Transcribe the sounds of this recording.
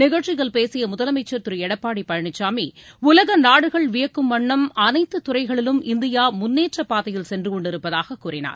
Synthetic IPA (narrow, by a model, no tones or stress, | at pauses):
nɪɣɐʈt͡ʃːɪɣɐɭpeːsɪjɐmʊðɐlɐmɐɪt͡ʃːɐɾt̪ɯɾɯɛɽɐpːaːɽipːɐɻɐɳɪt͡ʃːaːmiʊlɐɣɐnaːɽɯɣɐɭʋɪjɐkːɯmːɐɳːɐmɐnɐɪt̪ːɯt̪ːʊrɐɪɣɐɭɪlɯmɪnd̪ɪjaːmʊnːeːʈrɐpːaːðɐjɪlsɛndrɯkɔɳɖɪɾɯpːɐðaːɣɐkːuːrɪna̰ːɾ